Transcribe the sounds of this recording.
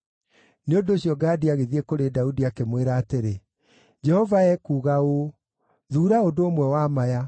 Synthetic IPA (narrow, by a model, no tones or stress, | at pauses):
neondoːɕijɔɡaːdiaɣeðiekoɾedaudiakemweɾaːteɾe | d͡ʒɛhɔvaɛkuːɣao | ðuːɾaodoːmwɛwamaja